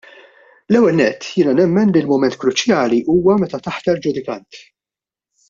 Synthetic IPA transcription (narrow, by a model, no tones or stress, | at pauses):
lɛwːɛlnɛt̪ːjɪːnɐnɛmːɛnlilmʊmɛnt̪kɾʊt͡ʃjɐːliʔuːwɐmɛt̪ɐt̪ɐħt̪ɐɾd͡ʒʊd̪ɪkɐnt̪